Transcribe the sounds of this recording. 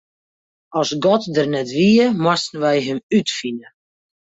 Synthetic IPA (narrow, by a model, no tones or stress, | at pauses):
ɔsɡɔtdərnɛtʋiəmwastn̩ʋɛjɦəmytfinə